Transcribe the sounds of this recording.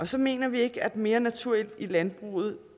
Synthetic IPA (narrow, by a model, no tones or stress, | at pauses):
ɒ̽sɒ̽me̝̰ːnɐʋie̝ɡ̥əæd̥me̝ːɐnæt͡sʰuɐel̰d̥ilænb̥ʁṵːð̞̩ˠ